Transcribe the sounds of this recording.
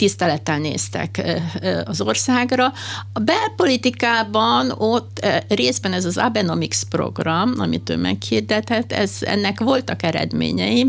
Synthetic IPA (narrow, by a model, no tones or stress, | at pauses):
t̪ist̪ɛlɛt̪ɛnnḛːst̪ɛ̰k | ɒzo̞rsaːɡrɒɒbɛlpo̞lit̪ikaːbɒnot̪ːreːzbɛnɛzɒza̰bɛno̞mikspro̞̰ɡrɒmɒmit̪ø̰ːmɛ̰khird̪ɛt̪ɛt̪ːɛ̰zɛ̰nːɛkʋo̞lt̪ɒkɛɾɛ̰d̪mḛːɲɛ̰jim